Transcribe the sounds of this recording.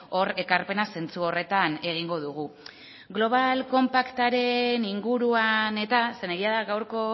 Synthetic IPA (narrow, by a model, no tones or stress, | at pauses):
o̞re̞kaɾpe̞nase̞nt͡suo̞re̞t̪ane̞ɣ̞iŋɡo̞ðuɣ̞u | ɡlo̞β̞alko̞mpakt̪aɾe̞niŋɡuɾuane̞t̪aseneɣiaðaɣawɾko̞